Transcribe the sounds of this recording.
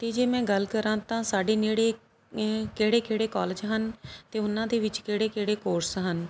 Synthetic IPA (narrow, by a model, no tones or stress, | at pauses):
t̪eːd͡ʒeːmɛ̃ːɡəlkəɾãːt̪ãːsaːɖeːneːɽeː | keːɽeːkeːɽeːkɔːld͡ʒɦənt̪eːʊnãːd̪eːʋɪt͡ʃkeːɽeːkeːɽeːkoːɾsɦən